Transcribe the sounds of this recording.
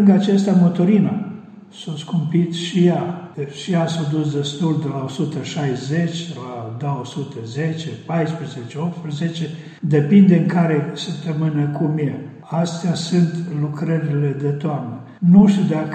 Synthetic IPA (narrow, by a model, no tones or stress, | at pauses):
lɨŋɡat͡ʃest̪amot̪oɾina | soskumpit̪ʃijaʃijasod̪usd̪e̞st̪uld̪elaosut̪əʃajze̞t͡ʃʲlad̪aosut̪əzet͡ʃepajspɾəzet͡ʃeop̚t̪spɾəzet͡ʃe | d̪e̞pind̪eɨŋkaɾe̞səp̚t̪əmɨnəkʰumie | ast̪easunt̪lukɾəɾile̞d̪e̞t̪oamnə | nuʃt̪ʲud̪ak